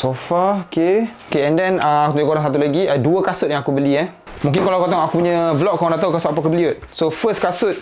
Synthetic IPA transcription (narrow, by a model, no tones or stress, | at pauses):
sofaokeokeɛ̃ndɛnəakut̪uɲkoɾaŋsat̪̬ulaɡiəduəkasʊt̪̚jãŋakubəlia | mũŋkɪnkalaakot̪aŋakupuɲə̃vlɔp̚kɔ̃ŋndat̪akasʊt̪ap̬akəbəliʊt̪̚sofəskasʊt̪̚